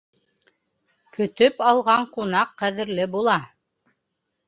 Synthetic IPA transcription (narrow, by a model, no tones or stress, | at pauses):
kɵ̆t̪ɵpɑlˠʁɑɴqunɑqːæðɘ̆ɾlɘbulˠɑ